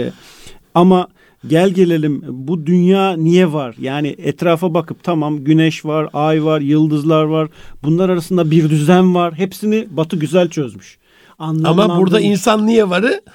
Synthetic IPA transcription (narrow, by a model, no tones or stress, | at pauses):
ama | ɟælʲɟe̞lʲe̞lʲimbud̪ynjaːnijɛvaɾ̥jaːnɪɛt̪ɾaːfabakʰɯp̚t̪ʰamamɟynɛʃvaɾajvaɾjɯlˠd̪ɯzlˠaɾvaɾbunlˠaɾaɾasɯnd̪abiɾd̪yzænvaɾɦepsinibat̪ʰɯɟyzælʲt͡ʃʰø̞zmyʃ | anlˠamaabuɾd̪ainsanːijɛvaɾɯ